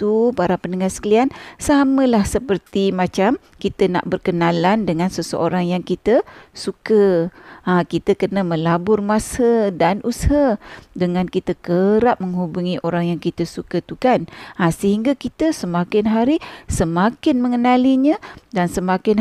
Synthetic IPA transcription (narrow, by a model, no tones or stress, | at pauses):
t̪upaɾapənəŋasə̥kəliansamə̃lahsəpərt̪imãt͡ʃam | kit̪əna̰ʔbərkənalandəŋansəsə̰ʔoɾaŋjaŋkit̪əsukəakit̪əkənəmə̃labʊrmasədanʔushadəŋankit̪əkəɾap̚məŋɦubuŋiʔoɾaŋjaŋkit̪əsukət̪ukanasəɦiŋɡakit̪əsəmakɪnɦaɾisəmakɪnməŋənaliɲə̃dansəmakɪn